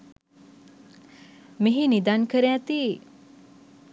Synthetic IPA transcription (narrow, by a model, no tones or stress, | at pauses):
miɦinid̪ankəɾeat̪i